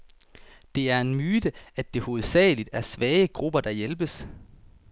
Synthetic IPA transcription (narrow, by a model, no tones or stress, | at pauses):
d̥e̝æɐe̝nmyːd̥əæd̥d̥e̝ho̝ːð̞̩ˠsɛ̰ːlid̥æɐsʋɛːəɡ̥ʁub̥ɐd̥ɑ̈jelb̥əs